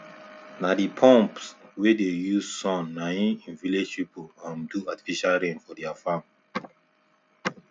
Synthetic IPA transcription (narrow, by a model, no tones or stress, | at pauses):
nadipʰɔ̃mpswedejuzsɔ̃nːajĩĩnviled͡ʒpipolãnduati̥fiʃalɹẽnfɔdɛafãm